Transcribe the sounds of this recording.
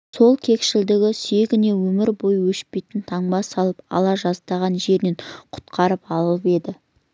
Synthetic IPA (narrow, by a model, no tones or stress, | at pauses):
so̞lˠkʲʰe̞kʃɪld̪ɪɡʲɪse̞ɡʲɪne̞wɵmɪɾbo̞jwɵʃpe̞jt̪ɪnt̪ʰɑɴbɑsɑlˠəpɑ̰lˠɑʒɑzt̪ɑʁɑnʒe̞ɾneɴqʰʊ̥t̪qʰɑɾəpɑlˠəlˠəpe̞d̪ɪ